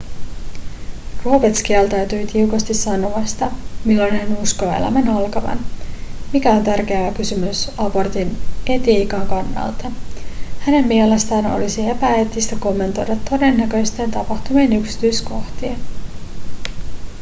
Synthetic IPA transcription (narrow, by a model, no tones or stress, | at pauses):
ruːpet̪skiælt̪ɑɥt̪yjt̪iukɑst̪isːɑnoʋɑst̪ɑmilːonɦænusko̞ːḛlæ̰mænɑlkɑʋɑ̰nmikæo̞nt̪ærk̟e̞æækysymysɑbo̞rt̪ine̞t̪iːkɑŋkɑnːɑ̰lt̪ɑhæne̞mmiele̞st̪æːno̰lisiepæet̪ːist̪æko̞mːe̞nt̪o̞jdɑt̪ːo̞de̞nːækø̞jst̪e̞ːnt̪ɑpɑht̪umeːnyksi̥t̪yjsko̞ht̪ien